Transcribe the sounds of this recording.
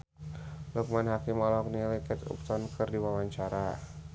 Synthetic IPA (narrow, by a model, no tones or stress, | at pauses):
lɔk̚manɦakimɔlɔk̚nilikɛt̪ṵp̚t̪ɔnkʰərdiwawaɲt͡ʃaɾa